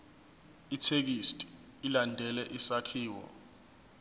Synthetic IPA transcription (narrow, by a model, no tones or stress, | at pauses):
itʰek̬istʼi̥ː | landʱɛlɛʔisakʰiːwɔ̰